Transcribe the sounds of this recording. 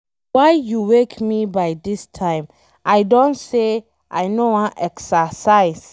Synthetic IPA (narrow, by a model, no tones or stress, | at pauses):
waɪjuwekmibaɪdistʰãɪ̃m | ʔaɪdõntse | ʔa̰jnoãnʔɛksasaɪs